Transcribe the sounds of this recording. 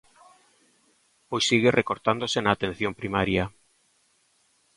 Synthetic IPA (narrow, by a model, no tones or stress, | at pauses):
pojsiɣerʔekoɾt̪and̪osenaːt̪en̟θjompɾimaɾja